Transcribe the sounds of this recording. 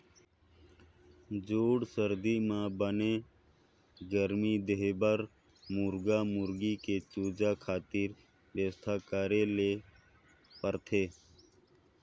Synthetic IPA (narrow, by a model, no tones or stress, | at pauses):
d͡ʒoːɽsəɾd̪iːmãːbənẽː | ɡəɾmiːd̪eɦbəɾ | mʊɾɡaːmʊɾɡiːkeːt͡ʃoːd͡ʒaːkʰaːt̪iːɾ | ʋjəst̪ʰaːkaːɾeːleː | pəɾt̪ʰeː